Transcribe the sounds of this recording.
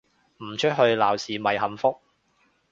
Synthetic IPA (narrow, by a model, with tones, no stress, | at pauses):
m̩˨˩t͡ʃʰɵ˥t̚ɦɵ˧ɥlaː˨˩wsiː˨˩mɐ˨˩jɦɐ˨mfʊ˥k̚